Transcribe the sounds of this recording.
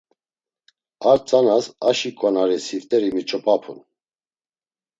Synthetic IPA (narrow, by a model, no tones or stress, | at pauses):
aɾt͡sʼanasaʃikʼɔnaɾisivt̪ʼɛɾimit͡ʃʰʼəpʼapʰṵn